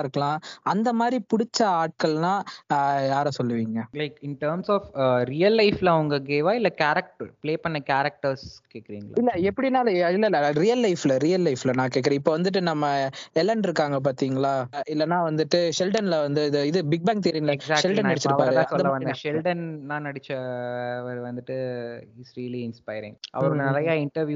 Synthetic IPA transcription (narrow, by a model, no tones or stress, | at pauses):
ɪɾɯkːɐɭãːɐnd̪ɐmaːd̪ɾipʊɽɪt͡ʃːɐaːʈ̚kɐɭnãːjaːɾɐsɔlːɯʋiːŋɡɐlɐɪkɪnʈɐːɾmsɔːfɾijɐlːɐɪflɐɐʋɐŋɡɐɡeːʋaːɪlːɐkaːɾɐk̚ʈpleːpɐnːɐkaːɾɐk̚ʈɐɾskeːkːɪɾiːŋɡɐl̰ːɪlːɐɛpːɐɽinaːlɐɪlːɐɪlːɐɾijɐlːɐɪflɐɾijɐlːɐɪflɐnãːkeːʈk̬ːɪɾẽːɪpːoːʋɐnd̪ɯʈːɯnɐmːɐɛlɐɳɖɪɾɯkːaːŋɡɐp̬aːɾt̪iːŋɡɐɭaːɪlːɐnãːʋɐnd̪ɯʈːɯʃɛlɖɐnlɐʋɐnd̪ɯɪðɯɪðɯbɪɡ̚baːŋk̚t̪ɛɾiːŋlɐɛsaːk̚ʃɛlʈɐnnɐɪt͡ʃːɪɾɐʋkaɐːɾɾãɐsɔlðːɐʋɐnʃɛlɖɐnnãːnɐɽɪt͡ʃːɐɐʋɐɾʋɐnd̪ɯʈːɯhisɾiɐliɪnspɐɪɾɪ̰̃ŋɡɐ̰ʋɐɾɯ̃nɐɾɐjaːɪɳʈɐɾʋjuː